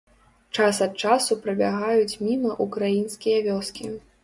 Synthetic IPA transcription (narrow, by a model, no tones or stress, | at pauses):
t͡ʂasɐt̪̚t͡ʂasupɾɐbʲaɣajut͡sʲmʲimɐʔukɾajinskʲijɐvʲɔskʲi